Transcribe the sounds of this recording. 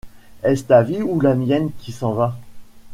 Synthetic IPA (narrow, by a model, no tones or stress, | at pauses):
ɛst̪aviulamjɛnkʲisɑ̃va